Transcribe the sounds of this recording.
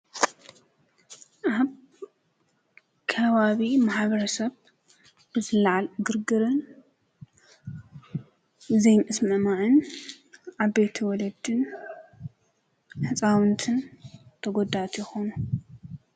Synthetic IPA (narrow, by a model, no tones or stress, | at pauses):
ʔaβ | kʰɐβaβimaħβɐɾɐsɐβ | ɨzɨlaʕalɡɨɾɡɨɾɨn | ɨzejnʔɨsmɨmaʕɨn | ʔaβejt̪ʰiwɔlɐd̪ɨn | ħɨt͡sʼawɨnt̪ʰɨnt̪ʰɐɡo̞d̪at̪ʰjɪxonu